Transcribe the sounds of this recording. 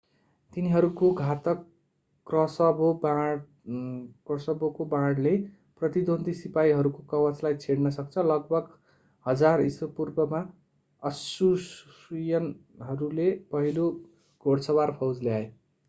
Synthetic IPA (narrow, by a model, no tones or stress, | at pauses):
t̪iniɦʌɾukoɡʱat̪ʌkː | rʌsʌboba | krʌsʌbokobaɽle | prʌt̪id̪ond̪isipaiɦʌɾukokʌwʌt͡slajt͡sʰeɽnʌsʌkt͡sʰʌlʌɡ̚bʱʌɡ | hʌd͡zariswʌpurbʌma | ʌsus | ujʌn | ɦʌɾulepʌɦilo | ɡ̥ʱoɽsʌbarpʰʌwd͡zljae